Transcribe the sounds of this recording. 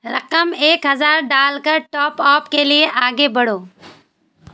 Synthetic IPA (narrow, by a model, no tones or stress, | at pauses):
ɾɐ̰qəmeːkɦɐzaːɾɖaːlkəɾʈɔːpaːpkelieʔaːɡebɐɽoː